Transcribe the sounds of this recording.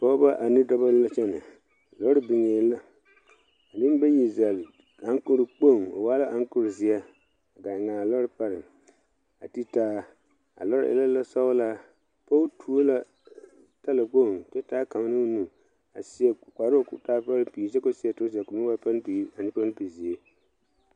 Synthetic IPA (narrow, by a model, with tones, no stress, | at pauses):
pɔ˦ba˦ʔa˨nɪ˦dɔ˦ba˦la˦t͡ʃɛ˦nɨ˨ | a˨lɔ˦ɾɪ˦bɪ˨ŋeː˨˦la˦ | a˨nɪ˦m˦bɛ˦ji˨za˨l | a˨˦ŋ˦kʊ˦ɾɪ˨k͡po˦˨ŋo̰˨waː˦la˦ʔa˨˦ŋ˦kʊ˦ɾzɪ˨a˦ | a˨ɡa˨ŋa˨lɔ˦ɾɪ˦pa˦ɾɪ˨ | a˨ti˦taː˦ | a̰˨lɔ˦ɾ̰ʔɪ̰˦la˦la˦sa˦la˦ | po˦tʰu˨o˦la˦ | ta˦la˨k͡po˦˨mtɛ˦taː˦ka˨m˦nɨ˦nu˨ | a˨si˦ɛ˨ka˨ɾo˦kʊ̰˦taː˦pa˦ɾpiː˨zɛ˦ko˦si˦ɛ˨tʊ˦s̬i˨a˨ku˨mɪ˦a˦pa˦lpi˨˦a˨nɪ˦pa˦pi˨zi˨e˦